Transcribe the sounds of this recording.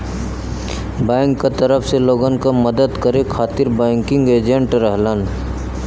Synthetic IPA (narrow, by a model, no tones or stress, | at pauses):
b̃ɪŋkːat̪əɾəpʰseloːɡənkaməd̪əd̪kəɾekʰaːt̪iɾbaɪŋkɪ̃ŋɡeːd͡ʒeɳʈɾəɦlan